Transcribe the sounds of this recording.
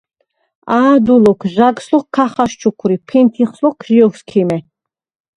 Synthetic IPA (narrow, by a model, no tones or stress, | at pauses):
aːd̪ulɔkʰʒaɡslɔkkʰːaχaʃt͡ʃʰukʰɾipʰint̪ʰiχslɔkʰʒiɔkskʰimɛ